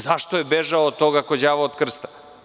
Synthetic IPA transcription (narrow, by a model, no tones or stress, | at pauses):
zaʃt̪ojebeʒaot̪oɡakod͡ʑaːʋaod̪kr̩st̪ḁ